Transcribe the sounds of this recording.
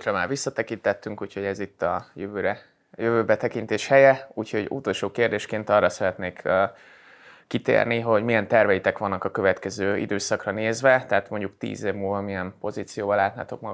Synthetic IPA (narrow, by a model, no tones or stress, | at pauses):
krɒmaːrʋisːɒt̪ɛkint̪ɛt̪ːyŋkuːcho̞ɟɛzit̪ːɒjøvøːɾɛ | jøvøːbɛt̪ɛkint̪eːʃhɛjɛuːcho̞ɟṵt̪o̞lʃoːkeːrd̪eːʃkeːnt̪ɒrːɒsɛɾɛt̪neːkøː | it̪ḛːrniɦo̞ɟmijɛnt̪ɛrvɛjit̪ɛkʋɒnːɒkɒkøvɛt̪kɛzøːḭd̪øːsɒkrɒneːzvɛt̪ɛɦat̪mo̞ɲɟukt̪ḭːzeːvmuːlvɒmijɛmpo̞ziːt̪sijoːbɒlaːt̪na̰ːt̪o̞k̚mɒɡ